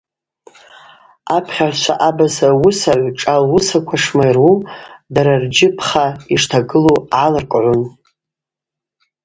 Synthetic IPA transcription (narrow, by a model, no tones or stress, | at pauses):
apʰχʲaʕʷt͡ʃʷʰa̰ʔabasawʊsaʕʷʈ͡ʂʼalwʊsakʷʰaʂmajrwumdaɾard͡ʒɪpʰχaiʂtʰaɡɨluʕalɨrkʼʕʷʊn